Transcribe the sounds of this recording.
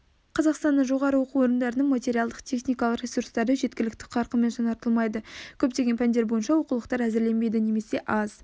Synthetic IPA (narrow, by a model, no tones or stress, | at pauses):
qʰɑzɑqst̪ɑnːəɴʒo̞ʁɑɾəwo̞quwo̞ɾənd̪ɑɾənəɴmat̪ʲe̞ɾijɑlˠd̪əqt̪ʲʰe̞χnijkɑlˠəqɾʲesuɾst̪ɑɾd̪əʒe̞t̪̚kʲɪlɪkt̪ɪ̥qʰɑɾqəme̞nʒɑnɑɾt̪əlˠmɑjd̪əkʲʰɵp̚t̪e̞ɡʲepʰænd̪e̞ɾbo̞jənʃɑwo̞qulˠəqt̪ɑɾæzɪɾle̞nbe̞jd̪ɪne̞me̞se̞ʔɑz̥